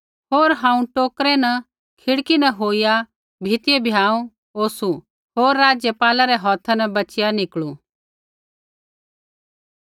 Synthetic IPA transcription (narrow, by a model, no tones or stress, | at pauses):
ɦoːɾɦãːũʈoːkɾɛnɐ | kʰɪɽkinɐɦoːija | bʱɪt̪jebʱjaːũ | oːsu | ɦoːɾːaːd͡zjəpaːlaɾɛɦɔːt̪ʰanɐbɐt͡ʃɪjanɪkɭũ